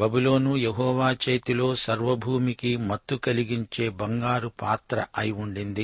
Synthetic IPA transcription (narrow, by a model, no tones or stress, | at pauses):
bɐbulo̞ːnujeɦɔːʋaːt͡ʃe̞ːt̪ilo̞ːsɐɾʋɐbʱuːmikimɐt̪ːukɐliɡiɲt͡ʃe̞ːbɐŋɡaːɾupaːt̪ɾɐʔɐjuɳɖind̪i